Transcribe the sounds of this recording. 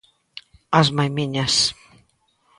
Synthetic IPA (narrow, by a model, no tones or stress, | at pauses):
azmajmiɲas